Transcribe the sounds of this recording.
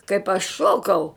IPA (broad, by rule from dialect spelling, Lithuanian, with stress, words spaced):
kɐɪp ɐʃ ˈʃoːkɐʊ